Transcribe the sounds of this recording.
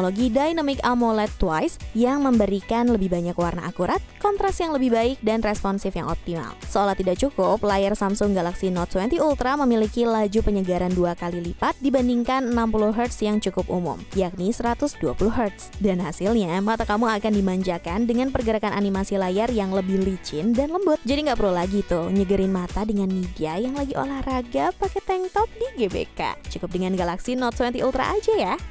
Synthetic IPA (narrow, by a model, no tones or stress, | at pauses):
oloɡidajnɔmɪkamolɛt̪ːwajsjaŋməmbəɾikanləbɪhbaɲakwarna̰ʔakuɾat̪̚kɔnt̪ɾasjaŋləbɪhbaɪk̚danrɛspɔnsɪfja̰ŋɔ̰p̚t̪ima̰lsəolaht̪idak̚t͡ʃukʊplajarsamsʊŋɡalaksinɔt̪̚swɛnt̪iult̪ɾaməmilikilad͡ʒupəɲəɡaɾanduakalilipat̪̚dibandiŋkanənːampulʊhɦərt̪sjaŋt͡ʃukʊp̚umʊ̰mjak̚nisəɾat̪ʊsduapulʊɦərt̪sdanhasɪlɲamat̪akamuakandimaɲd͡ʒakandəŋanpərɡəɾakananimasilajarjaŋləbɪhlit͡ʃɪndanləmbʊt̪̚d͡ʒadiŋɡaʔpəɾulaɡit̪ʊɲəɡəɾɪnmat̪adəŋanmidiajaŋlaɡiʔo̰lahraɡapakɛt̪ɛŋt̪ɔp̚diɡebḛka̰t͡ʃukʊp̚dəŋanɡalaksinɔt̪swɛnt̪iult̪ɾa̰ʔad͡ʒaja